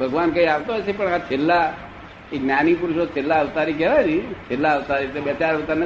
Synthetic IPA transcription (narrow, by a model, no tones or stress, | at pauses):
bʱəɡʋankəiaʋt̪oɦɔjt͡ʃʰepəɳat͡ʃʰelːa | eɡnjanipuɾuʃot͡ʃʰelːaəʋt̪aɾik̬ɛʋajɾit͡ʃʰelːaəʋt̪aɾit̪ebɛt͡ʃaɾəʋt̪an